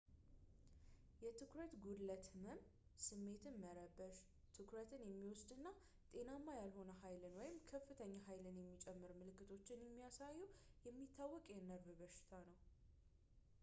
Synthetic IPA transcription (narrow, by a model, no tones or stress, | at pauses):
jɛt̪ʰɨkɾət̪ɡud̪lət̪ʰməm | sɨmːe̞t̪ʰɨnməɾəbːəʃ | t̪ʰɨkʰɾət̪ʰɨnjɛmːiwɔsd̪ɨnːa | t̪ʼe̞namːajalho̞nəɦajlɨnwɔjɪmkʰəfːɨt̪ʰəɲːaɦajlɨnjɛmːit͡ʃʼɛmːɨɾmɨlɨkːɨt̪ʰo̞t͡ʃːɪnjɛmːijasajːɛwjɛmːit̪ʰːawːɔkʼjɛnəɾbɨbəʃɪ̥t̪ʰanəw